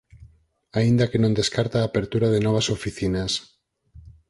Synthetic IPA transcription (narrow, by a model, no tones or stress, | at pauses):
aind̪akenõnd̪eskaɾt̪aːpeɾt̪uɾaðenɔβ̞asofiθinas